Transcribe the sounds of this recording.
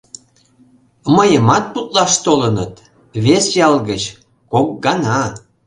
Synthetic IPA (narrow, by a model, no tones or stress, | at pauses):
məjəmɑt̪̚put̪̚lɑʃt̪olənət̪ | βesjɑlɣət͡ɕ | kok̚ɡɑnɑ